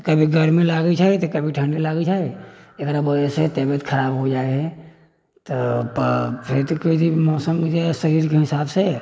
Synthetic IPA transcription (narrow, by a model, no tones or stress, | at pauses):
kəbʱiɡʱəɾmẽlaɡət͡ʃʰaːit̪ɔkəbʱiʈʰə̃ɳɖilaɡət͡ʃʰaɛekɾabəd͡ʒəset̪ebət̪kʰəɾaːbɦod͡ʒaeɦɛ | t̪əpəpʰɪɾt̪oket̪imɔːsəmkid͡ʒasəɾiːɾkeɦɪsaːbse